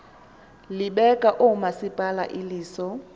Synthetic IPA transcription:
lɪɓɛkʼaʔʊmasɪpʼala̰ʔɪliːsɔ

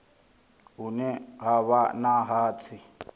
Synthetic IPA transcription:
ɦunɛɦaβanaɦaːt͡sʰi

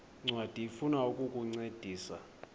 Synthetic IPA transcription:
ŋ͡ǀwad̥ʱiifunaukʼukʼuŋ͡ǀed̥ʱiːsa̰

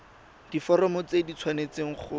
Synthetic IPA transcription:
d̥ifɔɾɔmɔt͡sedit͡sʰwanet͡seŋ̩χʰʊ

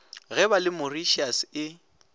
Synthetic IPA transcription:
ɣɛbalɪmʊriʃiasɪ

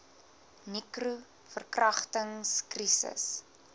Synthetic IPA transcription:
nikru | fərkrɐχtəŋskrisə̰s

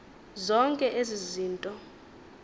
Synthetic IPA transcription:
zɔŋkʼɛʔeziziːntʼɔ

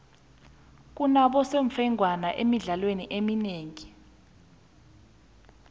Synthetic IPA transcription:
k̬unaɓɔseɱfɛŋʱwanaʔemiɮalweniʔemineːŋi

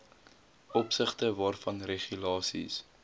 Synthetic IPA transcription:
ɔpsəχtəvɑːrfɐnreχylɑːsḭs

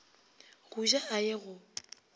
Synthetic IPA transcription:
ɣ̥uʒaajɪɣʊ

